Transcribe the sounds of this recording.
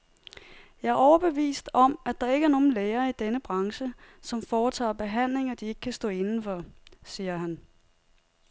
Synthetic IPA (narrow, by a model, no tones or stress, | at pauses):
jɑæɐɒʊɐb̥e̝ʋḭːsd̥ɒ̽mʔæd̥ɑ̈e̝ɡ̥əæɐno̝ːn̩leːɐːid̥enəb̥ʁɑ̈ŋɕəsɒ̽mfɒːt͡sʰɑ̰̈ːb̥e̝ɦæn̰le̝ŋɐd̥ie̝ɡ̥ə̥kʰæsd̥ɔ̰ːe̝nn̩fɒ̽siːɐɦæn